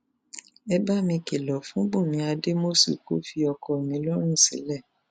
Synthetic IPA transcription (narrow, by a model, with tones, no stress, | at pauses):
ɛ˦ba˦mĩ˧ke˨lɔ˨fũ˨˦bũ˦˨mĩ˨˧˦a˧de˦mo˦sḭ˧ko̰˦fi˧ɔ˧kɔ˧e˨mĩ˨˦lɔ˦ɾ̃ĩ˦˨sḭ̃˨˦lɛ˦˨